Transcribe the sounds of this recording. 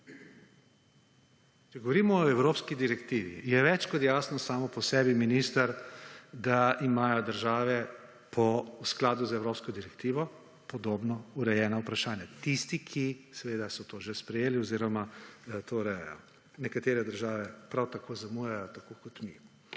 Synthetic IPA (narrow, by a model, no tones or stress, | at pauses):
t͡ʃɛɡɔʋɔɾimɔːɛwɾoːpskid̪iɾɛkt̪iːʋḭjɛʋɛt͡ʃkɔt̪jaːsnɔsaːmɔpɔsɛːbiminist̪aɾd̪aimaːjɔd̪əɾʒaːʋɛ | pʰɔusklaːd̪uzɛwɾoːpskɔd̪iɾɛkt̪iːʋɔ | pɔd̪oːbnɔuɾɛjɛːnaupɾaʃaːnjat̪ist̪ikʰisɛʋeːd̪asɔt̪oːʒespɾɛjeːliɔziːɾɔmat̪ʰoːɾɛjɔ̰ | nɛkat̪eːɾɛd̪əɾʒaːʋɛpɾawt̪akʰoːzamujajɔt̪akokɔt̪mi